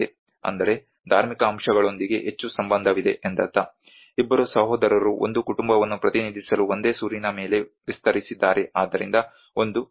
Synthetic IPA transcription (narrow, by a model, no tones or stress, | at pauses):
e | ɐ̰nd̪ɐɾe̞ | d̪ʱaːɾmikɐːmʂɐɡɐɭo̞nd̪iɡe̞̰ɦet͡ʃːusɐmbɐnd̪ʱɐʋid̪e̞̰ʔend̪ɐt̪ːɐ | ibːɐɾusɐɦoːd̪ɐɾɐɾuʔo̞̰nd̪ukuʈumbɐʋɐnːupɾɐt̪inid̪ʱisɐluo̞nd̪e̞ːsuːɾinɐme̞ːle̞ʋist̪ɐɾisid̪ːaːɾe̞aːd̪ːɐɾind̪ɐ | o̞nd̪u